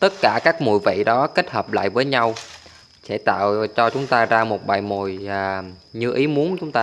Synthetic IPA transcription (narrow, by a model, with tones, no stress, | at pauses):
t̪ə˦˥t̚kaː˧˩kaː˦˥k̚mṵ˨˧˩jvḭ˧˨ɗɔ˨˦ke˦˥t̚həː˨˩p̚la̰ː˧˨jvəː˨˦jɲa˧w | sɛ̰˧˥t̪a̰ː˧˨wt͡ɕɔ˧t͡ɕʊ˨˦ŋ͡mt̪aː˧zaː˧mo˨˩t̚ɓa̰ː˨˩jmo˨˩j | ɲɨ˧ʔi˨˦mu˨˦ənt͡ɕʊ˨˦ŋ͡mt̪aː˧